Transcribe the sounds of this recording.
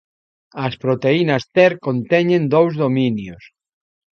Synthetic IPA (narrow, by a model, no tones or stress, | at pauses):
ɐspɾot̪einɐst̪ɛɾkõnt̪ɛɲẽnd̪owzðomĩnjos